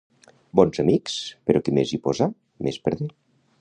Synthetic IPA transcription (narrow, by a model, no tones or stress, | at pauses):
bɔnzamikspeɾokemezipoza | mespəɾði